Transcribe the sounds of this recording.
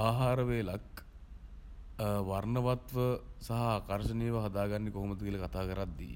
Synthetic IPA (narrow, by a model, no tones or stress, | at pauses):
aːɦaːɾəʋeːlak̚ | ʋarnəʋat̪ʋəsaɦaaːkarʃənejʋəɦad̪aːɡanːikoɦoməd̪əkiːləkat̪aːkəɾat̪̚d̪ijːḛ